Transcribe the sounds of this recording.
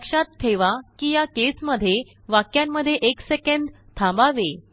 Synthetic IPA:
kʂat̪t̪ʰeʋakiːjakesməd̪ʱje | ʋakjãmːəd̪ʱːjeʔeksekəɳd̪t̪ʰãmbaʋe

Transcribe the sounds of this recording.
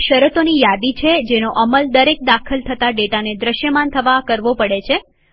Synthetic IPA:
ʃəɾət̪onijad̪it͡ʃʰed͡ʒenoʔəməld̪əɾek̚d̪akʰəlt̪ʰət̪aɖeʈaned̪ɾəʃjəmant̪ʰəʋakəɾʋopəɽet͡ʃʰe

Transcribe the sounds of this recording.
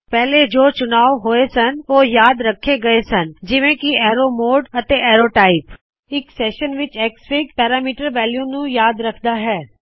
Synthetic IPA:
pɛɦled͡ʒoːt͡ʃʊnaːʋɦoːesɐnʋoːjaːd̪ɾɐkʰːeɡɐesɐnd͡ʒɪʋẽkiɛːɾomoːɖɐt̪eʔɛːɾoːʈaːɪp | ɪksɛːʃənʋɪt͡ʃɛːkspɪkpɛːɾaːmiːʈəɾʋɛːljõnũjaːd̪ɾɐkʰd̪aɦɛː

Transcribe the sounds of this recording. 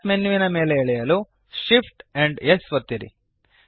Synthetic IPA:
menːuʋinɐme̞ːleːɭɛjɐlu | ʃipʈɛɳɖesʋɐt̪ːiɾḭ

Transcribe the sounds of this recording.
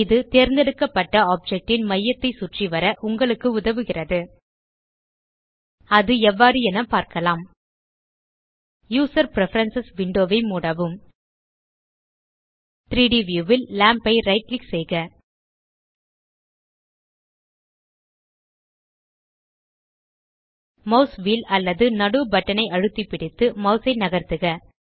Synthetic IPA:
ɪðɯt̪eːɾnd̪ɛɽɯkːɐpːɐʈːɐaːp̚d͡ʒɛk̚ʈɪnmɐjːɐt̪ːɐɪsʊʈriʋɐɾɐʔʊŋɡɐɭɯkːɯʊðɐʋɯɣɪrɐðɯ | ɐðɯɛʋːaːɾɯɛnɐpaːɾkɐlaːm | juːsɐɾpɾɛfɐɾɐnsɐsʋɪɳɖoːʋɐɪmuːɽɐʋɯm | t̪ɾiːɖiʋjuːʋɪlːaːmpɐɪɾɐɪʈlɪksɛjɣɐ | mɐʊsʋiːlɐlːɐðɯnɐɽɯbɐʈːɐnɐɪʔɐɻɯt̪ːipːɪɽɪt̪ːɯmɐʊsɐɪnɐɣɐɾt̪ɯɣɐ

